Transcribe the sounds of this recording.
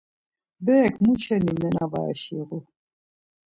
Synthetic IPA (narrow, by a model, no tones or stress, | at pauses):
bɛːkʰmut͡ʃʰɛnimɛnava̰ʃiɣu